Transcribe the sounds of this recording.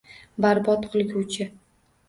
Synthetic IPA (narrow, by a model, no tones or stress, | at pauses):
baɾbɒt̪qʰɨlˠɡʲuwt͡ʃʰɪ